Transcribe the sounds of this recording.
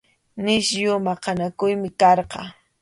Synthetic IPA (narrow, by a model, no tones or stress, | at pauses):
nɪʃjʊmɑqɑnakʊjmɪkɑɾqɑ̰